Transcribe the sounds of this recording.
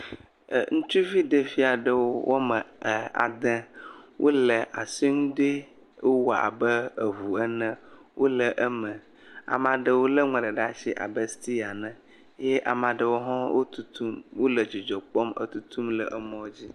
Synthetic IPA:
ŋũ˦t͡ʃu˦vi˦ɖə˦fi˦a˨ɖə˨wo˦wʔo˦mə˨a̰˨d̪ɛ̃˦wʔo˦lə˨ʔa˨si˦ŋũ˦ɖe˦ | wo˦wɔ˨a̰˨bə˦ə˨vu˨ɛ˦nɛ̃˦wʔo˦lə˨ʔə˦mə̃˨ | a̰˨mã˨ɖə˨wo˦lə˦ŋɛ̃˨ɖə˨ɖa˦ʃi˦ʔa̰˨bə˦st̪i˦a˨nɛ̃˨ | jɛ˦ʔa˨mã˨ɖə˨wo˦ɦɔ̃˦wo˦t̪u˦t̪u˦mwo˦lə˨d͡ʑi˨d͡ʒɔ˨k͡pɔ˦mə̰˦t̪u˦t̪ʰu˦mlə̰˨ʔə˦mɔ̃˨wo˦d͡ʑi˦

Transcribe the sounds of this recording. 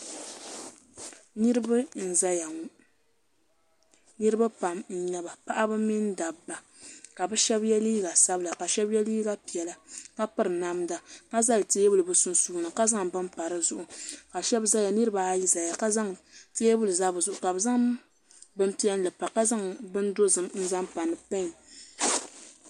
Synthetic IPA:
nɨ˦ɾba˦n̩˨za˦ja˨˦ | nɨ˦ɾɨ˦ba˦pa˨mn̩˨ɲɛ˦ba˨pa˦ʔa˦bɨ˦mi˦n˦da˨bːa˨ | ka˨bɨ˦ʃɛ˦bjɛ˦liː˦ɡa˨sa˦bɨ˦la˨ka˨ʃɛ˦bjɛ˦liː˦ɡa˦pi˨ɛ˨la˨ka˦pɨ˦ɾɨ˨na˦m˦da˨ka˦za˦lte˦bɨ˦lɨ˨bɨ˦sʊ˦n˦suː˦nɨ˨ka˦za˦ŋbɨ˦mpa˨ɾɨ˦zʊ˦ʔʊ˨ka˨ʃɛ˦bza˦ja˨nɨ˦ɾɨ˦ba˨a˦ji˦za˨ja˨ka˦za˦ŋte˦bɨ˦lɨ˨za˦bɨ˨zʊ˨ʔʊ˨ka˨bɨ˨za˦ŋ | bɨ˦m˦pi˦ɛ˦n˦lɨ˨pa˨ka˦za˦ŋbɨ˦n˦do˦zɨ˨mn̩˦za˦ŋpa˨nɨ˨pa˦ɲ˨

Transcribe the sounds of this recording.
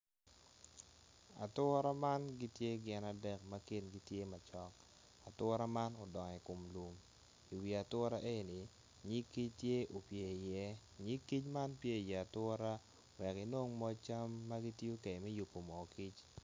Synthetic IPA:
a̰˨tʊ˦ɾa˦ma˦nɡi˦tje˦ɡɪ˦na˨dɛ˦k̚ma˦ki˦nɡi˦tje˦ma˨t͡ʃɔ˦k̚ | a˨tʊ˦ɾa˦ma˦nɔ˨dɔ˨ŋɛ˨ko˨mlu˨m | i˨wi˨a˨tʊ˦ɾa˦ʔe˦˨ni˨ | ɲi˦kːi˦t͡ʃtje˦ʔo˨pje˨i˨jɛ˦ | ɲi˦kːi˦t͡ʃma˦npje˦˨jɛ˨a˨tʊ˦ɾa˦ | wɛ˨ki˨no˦ŋmɔ˦t͡ʃa˦mːa˦ɡi˦tjo˦ke˨mɛ˦ju˨pːo˨mɔ˨ki˦t͡ʃ

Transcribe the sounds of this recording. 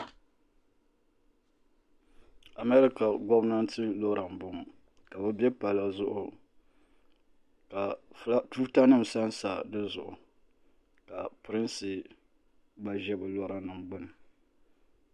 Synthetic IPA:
a˨mɛ˦ɾɪ˦ka˨ɡɔ˦bna˦n˦tɨ˦lo˦ɾa˨mbʊ˨m˨ | ka˨bɛ˦bjɛ˦pa˨la˨zʊ˦ʔʊ˨ | ka˨˦tuː˦ta˦nɨ˦˨m̩˨sa˦nsa˨dɨ˦zʊ˨ʔʊ˨ | ka˨pɨ˨ɾɪ˦nsɨ˨ | ɡ͡ba˨ʒɛ˦bɨ˨lo˦ɾa˦nɨ˨mɡ͡bʊ˦nɨ˨

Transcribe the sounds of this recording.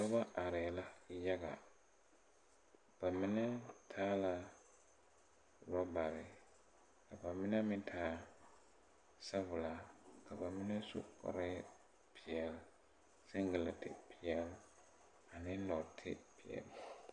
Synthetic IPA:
sa˦ba˦ʔa˨ɾɪ˨la˦ja˦ɡa˨ | b̥a˨mɪ˦nɪ˦tʰaː˦la˨ | ɾa˦ba˨ɾɪ˨ | ka˨ba˨mɪ˦na˦mɪ˦ntʰaː˦ | sa˦vʊ˨la˨ka˨ba˨mɪ˦nɛ˦sṵ˦kɔ̰˨ɾɪ˦ | pʰɪ˨ɛ˨l | sɪ˦ŋɡɪ˨la˨tɪ̰˦˨pɪ˨ɛ˨l | a˨nɪ˦lɔ˨tʰɪ̰˦pi˨ɛ̰˨l

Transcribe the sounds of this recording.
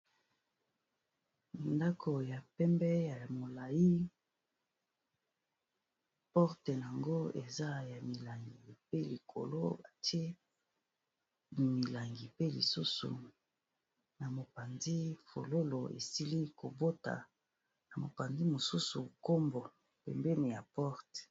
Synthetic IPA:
nda˦kʰo˨ja˨pɛ˦mbɛ˦ja˨mo˨la˨ji˦ | pɔ˦ʁte˨n˨a˨ŋɡo˦e˨za˦ja˨mi˨la˨ŋɡi˨pe˦li˨kʰo̰˨lo˦ba˨ti˦e˦ | mi˨la˨ŋɡi˨pe˦lḭ˨su˦sṵ˨ | na˨mo˨pa˨nzi˦fo̰˨lo˦lo˨ḛ˨si˦li˦ko˨bo˦ta̰˨ | na˨mo˨pa˨ndi˦mo˨su˦su˨ko˦mbo˨ | pɛ̰˨mbɛ˦ni˨ja˨pɔ˦ʁt

